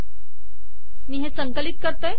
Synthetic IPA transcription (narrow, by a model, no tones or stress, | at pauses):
miːɦesəŋkəlit̪̚kəɾt̪əj